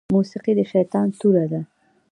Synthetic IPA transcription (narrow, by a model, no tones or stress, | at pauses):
musiqid̪əʃajt̪ɑnt̪uɾad̪a